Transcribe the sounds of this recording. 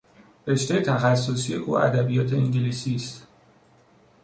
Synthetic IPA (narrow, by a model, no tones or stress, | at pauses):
ɾe̞ʃt̪ejet̪ʰæxæsːosiːeʔuːæ̰d̪æbijɒːt̪ʰe̞iŋɟeliːsiːst̪